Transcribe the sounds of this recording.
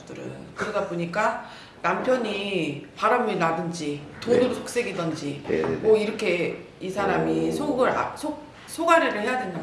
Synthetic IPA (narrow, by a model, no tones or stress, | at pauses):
dɯɾɯ̰nkɯɾʌdaboɲik͈a | nampʰjʌɲipaɾamɯnadɯnd͡ʑitonɯɾsʰok̚s͈eɡidʌnd͡ʑimʌiɾʌkʰe̞ | isʰaɾamisʰoɡɯɾa̰sʰo | sʰoɡaɾeɾɯɭhe̞jadwe̞nda